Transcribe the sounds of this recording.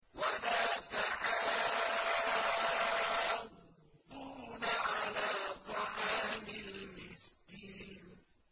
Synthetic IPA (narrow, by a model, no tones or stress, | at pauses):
walaːt̪aʕaː | d̪uːnaʕalaːt̪ˤɑʕaːmɪlmɪskiːn